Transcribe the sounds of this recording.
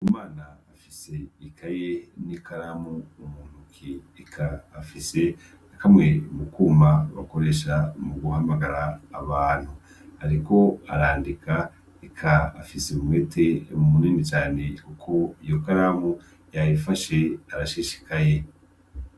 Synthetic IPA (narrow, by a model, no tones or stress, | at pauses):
umaːnaːfise̞ikʰajenikaɾamuumuːn̥ukʰiː | kʰaːfise̞ | akamŋe̞mukuːmaβa̰ko̞ɾe̞ʃamuɡuhamaɡaɾaːβaːn̥hu | haɾiko̞aɾaːndikʰa | ikʰaːfiseumwe̞ːtʰe̞mumuniːnit͡ʃaːne̞kukʰo̞ijo̞kaɾamu | jajifaʃe̞aɾaʃeːʃi̥kaje̞